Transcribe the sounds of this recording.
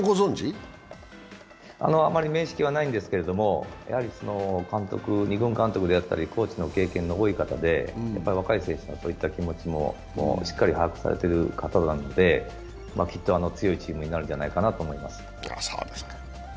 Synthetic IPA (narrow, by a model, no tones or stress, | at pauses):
ɡozõɲd͡ʑi | a̰no̞amːaɾʲime̞ːɕi̥kʲiβanaĩnd̪e̞sɨ̥ke̞ɾe̞d̪o̞mo̞jʔa̰haɾʲiso̞no̞kãnt̪o̞kɯ̟ɲ̟iɡɯ̟̃ŋkãnt̪o̞kɯd̪e̞jat̪ːa̰ɾʲikʰo̞ːt͡ɕino̞ke̞ːkẽ̞nːooikat̪ad̪e̞ja̰pːaɾʲiβakaisẽ̞ːɕonaso̞ːit̪ːakʲimo̞t͡ɕimo̞̰ | mo̰ːɕi̥kːaɾʲihajakɯ̟̥sa̰ɾe̞̰t̪e̞ɾɯ̟kat̪aonano̞d̪e̞ | makʲit̪ːo̞ano̞t͡sɨjo̞it͡ɕiːmɯ̟ɲ̟inaɾɯ̟̃d͡ʑanaikanat̪oːmo̞ima̰sɨ̥ja̰so̰ːd̪esne̥